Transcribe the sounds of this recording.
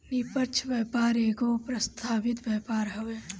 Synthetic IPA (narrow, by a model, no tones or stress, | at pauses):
nipəɾt͡ʃʰʋɛːpaːɾeːɡopɾəst̪ʰaːʋɪt̪ʋɛːpaːɾɦəʋeː